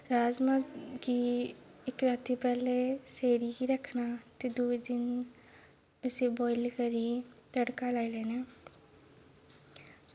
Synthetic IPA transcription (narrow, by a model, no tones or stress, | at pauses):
ɾaːzmakiɪkɾaːt̪ipɛːleseːɽikiɾɐkʰnat̪ed̪uːed̪ɪn | ʊsebɔːɪlkəɾit̪əɽkalaːilɛːnaː